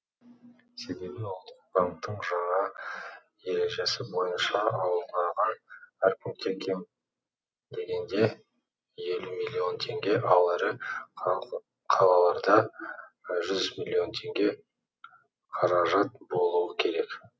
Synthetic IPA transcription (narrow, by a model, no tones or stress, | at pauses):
se̞be̞bɪwʊlˠt̪ːə̥q̚b̥aŋk̚t̪ːəɴʒɑɴɑ | je̞ɾe̞ʒe̞sɪbo̞jənʃɑɑwəɴɑɾʁɑnæɾkʲʰʏmk̪ʲʰeŋkʲʰen | d̪e̞ɡʲe̞nd̪e̞ | je̞lumilʲːio̞nt̪ʰe̞ŋɡʲe̞ʔɑlˠæɾɪ | qʰɑlˠɑlˠɑɾd̪ɑ | ʒʏzmilʲːio̞nt̪ʰe̞ŋɡʲe̞ | qʰɑɾɑʒɑt̪̚bo̞lˠuəkʲʰe̞ɾe̞k